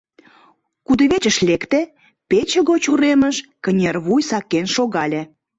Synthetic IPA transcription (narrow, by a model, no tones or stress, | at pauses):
kud̪əβet͡ɕəʃlʲekt̪ĕ | pet͡ɕəɣot͡ɕuɾeməʃkənʲerβujsɑkːenʃoɣɑlʲĕ